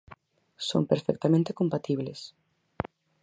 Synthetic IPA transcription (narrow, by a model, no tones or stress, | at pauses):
so̰ŋpeɾfɛk̚t̪amẽnt̪ekompat̪iβles